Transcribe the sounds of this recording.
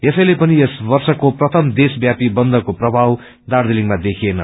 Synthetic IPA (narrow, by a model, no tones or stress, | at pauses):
jesʌjlepʌniesbʌrsʌkoprʌt̪ʰʌmd̪esbjapibʌnd̪ʱʌkoprʌbʱaw | d̪ard̪iliŋmad̪ekʰienʌ̰